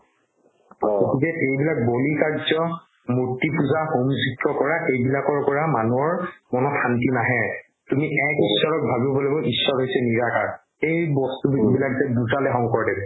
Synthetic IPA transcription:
ɡotikɛʔejbilak̚bolikaɹzɔ | muɹtːipuzaxomzikːɔkɔɹaʔejbilakɔɹkɔɹamanuɔɹmɔnɔantinaɦɛ | tumiʔɛkisːɔɹɔk̚bʱabibɔlɔbɔʔisːɔɹɦojsɛniɹakaɹ | ejbɔstubibilakzɛbuzalɛɦɔŋkɔɹdɛbɛ

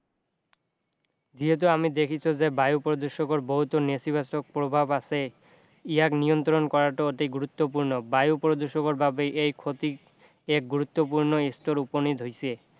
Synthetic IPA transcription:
d͡ʑiɦet̪̬uamid̪ekʰit͡ɕʰod͡ʑebajupɾod̪oʃokoɾboɦut̪onesibasok̚pɾobʱabasʰe | ijaknijont̪ɾonkɔɾaʈooʈijɡuɾut̪ːop̬uɾnobajupɾod̪oʃokoɾbabeʔejkʰot̪ik | ek̚ɡuɾut̪ːop̬uɾnoest̪oɾuponid̪ʱɦojt͡ɕʰie

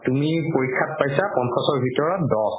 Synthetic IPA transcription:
tumipoɹikʰːat̚pajsapɔnsɔsɔɹbʱitɔɹɔt̚dɔs

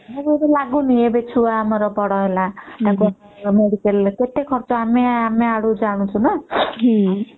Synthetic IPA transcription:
mebebelaɡuniebet͡ʃʰuaːmɔɾɔbɔɽɔɦelat̪akuaameɽikelket̪ekʰɔɾt͡ʃɔameameaɽud͡ʒaɽ̃ũt͡ʃʰunaɦ

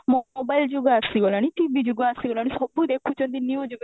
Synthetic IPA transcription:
mobaːld͡ʒuɡasiolañiʈibid͡ʒuɡasiɡolanisɐbud̪eːkʰːut͡ʃɔ̃nd̪iniud͡ʒuɡ

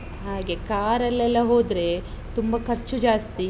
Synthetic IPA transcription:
ɦaːɡe̞kaːɾɐlːɛlːɐɦo̞ːd̪ɾe̞ | t̪umbɐkʰɐɾt͡ʃud͡ʒaːst̪i

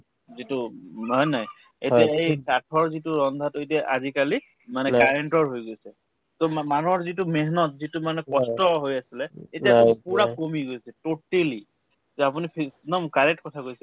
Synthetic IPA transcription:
zituɦɔjnaj | ḛjtiaejkatʰɔɹzituɹɔnd̪ʱatʊetiaʔa̰zikali | manɛkaɹeɳʈɔɹɦojɡojsɛ | tomanuɔɹzitumeɦnɔtzitumanɛkɔstɔɦojasilɛeiapuɹakomiɡojsɛtoteli | zɛapunipʰinɔmkaɹɛk̚tkɔtʰakojsɛ

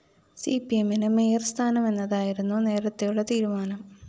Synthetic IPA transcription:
sipie̞minɨmeːrst̪ʰaːnɐme̞nːɐðaːjiɾunːune̞ːɾɐt̪ːejuɭːɐt̪iːɾumaːnɐm

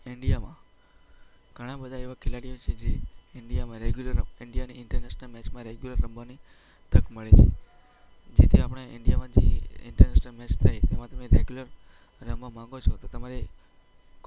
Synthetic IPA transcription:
ɪɳɖijamã | ɡ̥ʱəɽ̃ãbəd̪ʱaeʋakʰɪlaɽijot͡ʃʰed͡ʒeɪɳɖijamãɾeɡjuləɾɪɳɖijaniɪɳʈəɾnɛʃnəlmɛt͡ʃmãɾeɡjuləɾːəmbani | t̪əkməɭet͡ʃʰḛ | d͡ʒet̪ʰiapɽ̃eɪ̰ɳɖijamãd͡ʒḛɪ̰ɳʈəɾnɛʃnəlmɛt͡ʃt̪ʰajt̪emãt̪əmeɾeɡjuləɾ | ɾəmbomãŋɡot͡ʃʰot̪ot̪əmaɾe

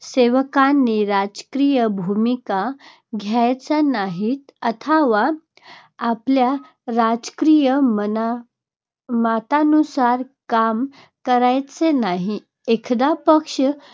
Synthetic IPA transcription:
seʋəkanːiɾad͡zkɾijəbʱumika | ɡʱjajt͡sanaɦit̪ət̪ʰaʋaː | plja | ɾad͡zkɾijəm | mat̪anusaɾkam | kəɾajt͡senaɦi | ekʰd̪apəkʂə

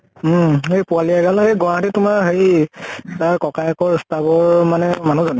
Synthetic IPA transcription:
ɦejpualiaɡalhejɡɔɹɦatitʊmaɹɦej | taɹkɔkajkɔɹstabɔɹmanɛmanuzɔnɛ

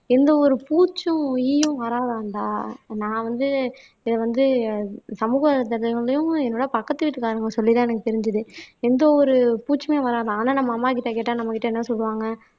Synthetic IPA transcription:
ɛnd̪ɐɔɾɯpuːt͡ʃːʊ̃ɪjɯ̃ʋɐɾaːðaːɳɖaːnãːʋɐnd̪ɯ | ɪðɐʋɐnd̪ɯsɐmuːɣɐt̪ɐɾlɐɣɐɭɐjʊ̃ɛnːoːɽɐpɐkːɐt̪ːɯʋɪʈːɯkːaːɾɯŋɡɐsɔlːɪt̪ãːɛnɐkːɯt̪ɛɾɪɲd͡ʒɯðɯɛnd̪ɐɔɾɯpuːt͡ʃːɯmeːʋɐɾaːðãːnaːnɐmːɐːmːaːk̬ɪʈːɐk̬eːʈːãːnɐmːɐkɪʈːɐɛnːɐsɔlːɯʋaːŋɡɐ

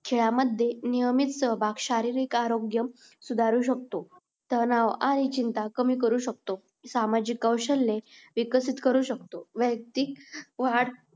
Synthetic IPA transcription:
kʰeɭaməd̪ʱːjenijəmit̪səbʱakɕaɾiɾikaɾoɡjəm | sud̪ʱaɾuːɕək̚t̪o | t̪ənaʋaɾit͡ɕint̪akəmiːk̬əɾuːɕək̚t̪o | samad͡ʑikːəwɕəlːeʋikəsit̪kəɾuːɕəkt̪oʋjək̚t̪ik̚ʋaɽ

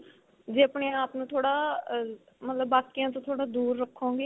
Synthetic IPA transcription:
d͡ʒeːəpɳeːaːpnũːt̪ʰoːɽaː | mət̪ləbːaːkijãːt̪õːt̪ʰoːɽaːd̪uːɾːəkʰːõːɡeː

